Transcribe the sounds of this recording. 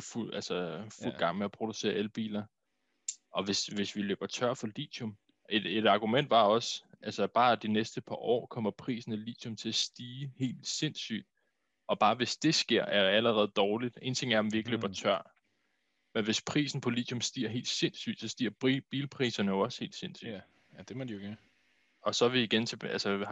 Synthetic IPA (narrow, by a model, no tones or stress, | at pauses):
fuælsəful̰ɡ̥ɑ̈ŋ̰meæpʰʁo̝d̥use̝̰ɐelb̥ḭːlɐ | ʔɒ̽ʋe̝sʋe̝sʋilø̰ːb̥ɐt͡sʰɶɐ̰fɒ̽lḭːd̥ʰom | ed̥e̝d̥ɑ̈ɡ̥umen̰d̥ʋɑ̈ɒ̽sʔælsəb̥ɑ̈ːæd̥inesd̥əpʰɑ̈ʔɒ̰ːkʰɒ̽m̰ɐpʰʁḭːsn̩elḭːd̥ʰomt͡sʰe̝æsd̥iːhe̝̰ːld̥se̝n̰sy̰ːd̥ | ɒ̽b̥ɑ̈ːʋe̝sd̥e̝sɡ̥e̝ɐ̰æɐæləʁɛð̞̩ˠd̥ɒːlid̥e̝ːnt͡sʰe̝ŋ̰æɐɒmʋie̝ɡ̥əløːb̥ɐt͡sʰɶɐ̰ | menʋe̝spʰʁḭːsn̩pʰɒ̽lḭːd̥ʰomsd̥ḭːɐ̰ɦe̝̰ːld̥se̝nsy̰ːd̥sɒ̽sd̥iːɐ̰bb̥iːlpʰʁḭːsɐnəjoɒ̽she̝̰ːld̥se̝n̰sy̰̥ | d̥emd̥ioɡ̥ | ɒ̽sɒ̽ʋiːɡ̥ent͡sʰeælsə